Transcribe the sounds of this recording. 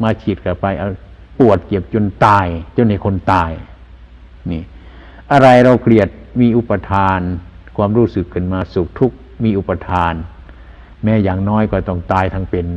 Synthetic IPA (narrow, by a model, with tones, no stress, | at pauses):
maː˧kʰi˨˧˩t̪̚kʰa˧˩pa˧jʔa˧ | pu˨˩ət̪̚ke˨˩p̚t͡ɕo˧nt̪aː˧˩jt͡ɕo˧nha˨˩jkʰo˧˥˨nt̪aː˧˩j | niː˧˩ | ʔa˧ɾa˧jɾa˧wkʰli˧˩ət̪̚miː˧˥˨ʔu˧˥pa˧t̪ʰaː˧nkʰwaː˧˨mɾuː˧˥˩sɯ˨˩kʰːɯ˧˩˨nmaː˧˩su˨˩k̚t̪ʰu˦˥k̚ | miː˧˨ʔu˧˥pa˧t̪ʰaː˧n | mɛː˦˧˥jaː˨˩ŋnɔː˦˧˥jkɔː˧˩t̪ɔ˧˩ŋt̪aː˧˩jt̪ʰa˧ŋpe˨n